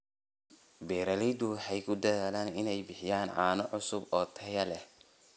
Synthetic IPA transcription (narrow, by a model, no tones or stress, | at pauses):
bɛːɾɐlɛd̪ʊħɛjkʰʊd̪ɐðaːlaːnɪnɛjbɪħɪjaːnʕa̰ːnɔʕʊsʊbɔːt̪ʰɐjɐlɛ